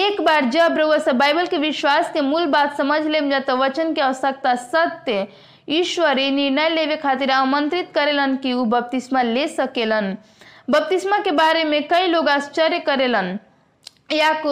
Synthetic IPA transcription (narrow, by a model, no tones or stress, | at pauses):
ekbaɾd͡ʒəbɾəəsə̃bajbəlkeʋiʃwaskemulbat̪səməd͡ʒʱlemd͡ʒat̪ɔʋət͡ʃənkeəʋəsək̚t̪asət̪je | iʃwəɾiniɾnəjlebekʰat̪iɾamənt̪ɾit̪kəɾelənkiubəp̚t̪ismalesəkelən | bəp̚t̪ismakebaɾemekəiloɡast͡ʃəɾjekəɾelən | jak